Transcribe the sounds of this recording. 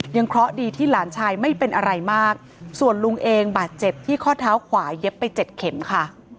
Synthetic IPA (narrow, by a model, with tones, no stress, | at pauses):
ja˧ŋkʰɾɔ˦˥diː˧t̪ʰiː˥˩laː˩˦nt͡ɕʰaː˧jma˥˩jpe˧nʔa˧ɾa˧jmaː˥˩k̚ | su˨˩ənlu˧ŋʔeː˧ŋbaː˨˩t̪̚t͡ɕe˨˩p̚t̪ʰiː˥˩kʰɔː˥˩t̪ʰaː˦˥wkʰwaː˩˦je˦˥pːa˧j̚t͡ɕe˨˩t̪̚kʰe˩˦mkʰa˥˩